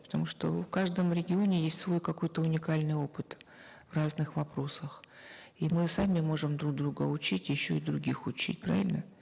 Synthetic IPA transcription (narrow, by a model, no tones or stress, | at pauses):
pə̥t̪ɐmuʂt̪ofkaʐd̪əmɾʲɪɡʲɪo̞nʲɪjesʲtʲsvo̞jkɐko̞jt̪əʊnʲɪkalʲnɨjo̞pɨt̪vraznɨxvɐpɾo̞səx | imɨsamʲɪmo̞ʐɨmd̪ɾuɡ̚d̪ɾuɡəʊt͡ɕitʲjɪɕːo̞id̪ɾʊɡʲixʊt͡ɕḭt̚ʲpɾa̰vʲɪlʲnə